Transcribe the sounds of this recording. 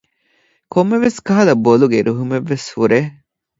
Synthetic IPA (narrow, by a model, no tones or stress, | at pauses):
komːeʋeskɐɦɐlɐboluɡeɾʔuɦumeʋːeshuɾeː